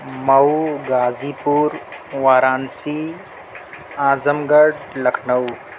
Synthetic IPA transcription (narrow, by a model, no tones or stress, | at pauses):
mɐuɡaːziːpuːɾʋaːɾaːnsiː | aːzəmɡɐɖlɐkʰnɐw